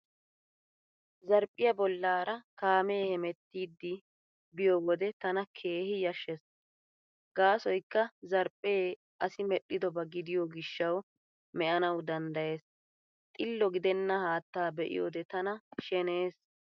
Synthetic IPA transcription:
zɐɾpʼːɪjɐbɔlːaːɾɐkaːmeːhɛmɛt̪ːiːd̪ːɪ | bɪjɔwɔd̪ɛt̪ɐnɐkʰe̞ːhɪjɐʃːɛs | ɡ̥aːsɔjkːɐzɐɾpʼːeː | ʔɐsɪmɛɗːɪd̪ɔbɐɡɪd̪ɪjɔɡɪʃːɐw | mɛʔɐnɐwd̪ɐnd̪ɐje̞ːs | t̪ʼɪlːɔɡɪd̪ɛnːɐhaːt̪ːaːbɛʔɪ̰jo̰ːd̪ɛt̪ɐnɐʃɛne̞ːs

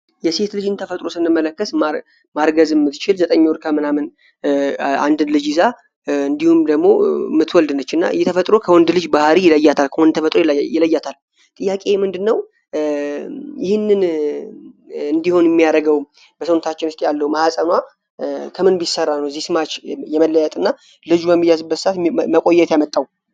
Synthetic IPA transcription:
jɛse̞t̪lɨd͡ʒɨnt̪ʰəfət̪ʼɾo̞sɨnːɨmːələkːəsma | maɾɡəzɨmːɨt̪t͡ʃɪlzət̪ʼəɲːwɾkʰəmɨnamɨn | a̰nd̪ɨnlɨd͡ʒɪza | ɨnd̪ihumd̪əɡmo̞mɨt̪ʰwɔld̪nət͡ʃːɨnːa̰ɨ̰jɛt̪ʰəfət̪ʼɾo̞kʰəwɔnd̪lɨd͡ʒbahɾijɪləjːat̪ʰalkʰəwɔnd̪t̪ʰəfət̪ʼɾojɪləjːat̪ʰal | t̪ʼɨjːakʼe̞ɛmɨnd̪ɨnːəw | jɪhɪnːɨn | ɨnd̪iho̞njɛmːijaɾəɡəwm | b̥əsəwnət̪ʰat͡ʃːɪnɨst̪ʼjalːəwməhasʼənwa | kʰəmɨnbisərːanːəwzːihsɨmat͡ʃjɛməlːəjɛt̪ʼɨnːa | lɨd͡ʒubəmːijːazɨbːət̪sɨat̪məkʼo̞jːɛt̪jamət̪ʼːaw

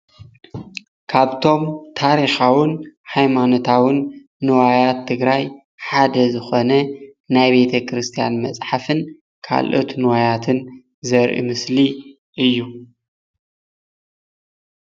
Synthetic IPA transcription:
kʰaβt̪ʰo̞mt̪ʰaɾixawɨnħajmano̞t̪ʰawɨnː | ɨwajat̪ʰːɨɡɾaj | ħad̪ɐzɨxonɐnajbe̞t̪ʰɐkɾɨst̪ʰija̰nmɐt͡sʼħafɨn | kʰa̰lʔo̞̰t̪nɨwajat̪ʰɨn | zɐɾʔḭmɨsli | ʔɨjːu

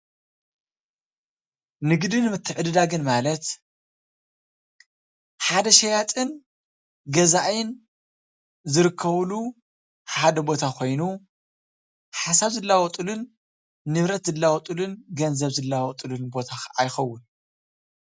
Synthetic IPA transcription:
nɨɡd̪ɨnɨmɨt̪ʰːɨʕɨd̪ɨd̪aɡɨnmalɐt̪ | ħad̪ɐʃɐjat̪ʼɨn | ɡɐzaʔjɪn | zɨɾɨkʰːɐβlu | ħad̪ɐbo̞t̪ʰakʰo̞jnu | ħasaβzɨlːawɔt̪ʼulunː | ɨβɾɐt̪zɨlːawɔt̪ʼulunɡɐnzɐβzɨlːawɔt̪ʼɨlunbo̞t̪ʰaajxɐwːʊn

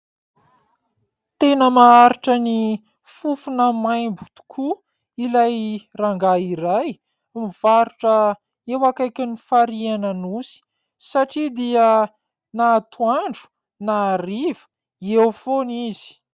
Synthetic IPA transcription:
t̪enəmaaɾiʈ͡ʂəni | fufunəmajmbu̥t̪u̥kʰu | ilajraŋɡaiɾaj | miv̥aɾuʈ͡ʂə | ewakajkʲanifaɾianənusi̥ | saʈ͡ʂid̪iə | naːt̪ʰuaɳɖ͡ʐu̥ | naɾivə̥ | ewfonizi̥

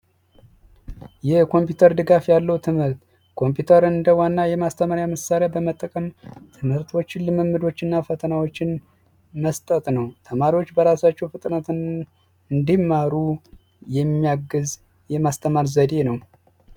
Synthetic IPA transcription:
jɛkʰo̞mpjut̪ʰəɾd̪ɨɡafjalːəwt̪ʰɨmhɨɾt̪ | kʰo̞mpʰjut̪ʰəɾɨnɨnd̪əwanːajɛmast̪ʰəmaɾjaməsaɾejabəmət̪ʼːəkʼəmt̪ʰɨmhɨɾt̪ʰwo̞t͡ʃːɪnlɨmɨmːɨd̪o̞t͡ʃːɨnːafət̪ʰənawo̞t͡ʃːɪn | məst̪ʼət̪ʼnəwt̪ʰəmaɾiwot͡ʃːbəɾasat͡ʃːɛwfɨt̪ʼnət̪n | ɨnd̪imːaɾu | jɛmːijaɡːɨz | jɛmast̪ʰəmaɾzəd̪e̞nəw

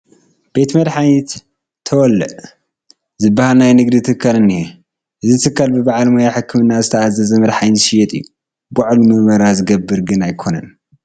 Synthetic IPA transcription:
b̥e̞t̪mɐd̪ħajit̪ | t̪ʰːɐwɔlːɨʔ | zɨbːahalnajnɨɡd̪it̪ʰɨkʰːalɨnːije | ʔɨzizɨt̪ʰɨkʰːalbɨbaʕalmojaħɨkʰːɨmɨnːazɨt̪ʰɐazɐzɐmɐd̪ħajiʃijɛt̪ʼɨjːu | baʕlumɨʔmɐɾazɨɡɐbːɨɾɡɨnajkʰo̞nɐn

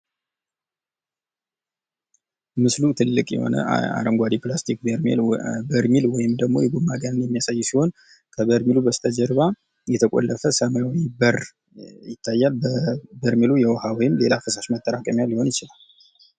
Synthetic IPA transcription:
mɨslut̪ʰɨlːɨkʼjɛ̰ho̰nə̰a̰ɾəmɡʷad̪iplast̪ʰik̚bəɾmḛlbəɾmilwɔjɪmd̪əɡmo̞̰jɛɡumːaɡənɨnjɛmːijasajːsiho̞n | kʰəbəɾmilubəst̪ʰad͡ʒəɾβa | jɛt̪ʰəkʼo̰lːəfəsəmawwibər | jɪt̪ʰːajːaləbəɾmilujɛwɔhawɔjɪmle̞lafəsaʃmət̪ʼːəɾakʼəmjalːiho̞njɪt͡ʃɪlal

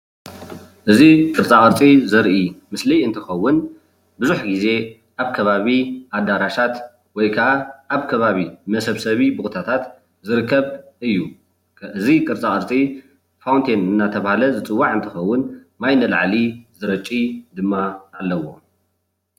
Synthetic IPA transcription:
ʔɨzikʼɨɾt͡sʼaχʼɨɾt͡sʼizɐɾʔimɨsliɨnt̪ʰɨxɐwːʊn | bɨzuħɡize̞ | ʔaβkʰɐβaβiʔad̪aɾaʃat̪ | wɔjkʰɐʔaʔːβkʰɐβaβimɐsɐβsɐβibɨxut̪ʰat̪ʰat̪ | zɨɾɨkʰːɐβʔɨjːu | ʔɨzikʼɨɾt͡sʼakʼɨɾt͡sʼi | fawnt̪ʰenɨnːat̪ʰɐβahalɐzɨt͡sʼɨwːaʕɨnt̪ʰɨxɐwːʊnmajnɐla̰ʕlizɨɾɐt͡ʃʼːid̪ɨmːaːlːɐwo̞̰

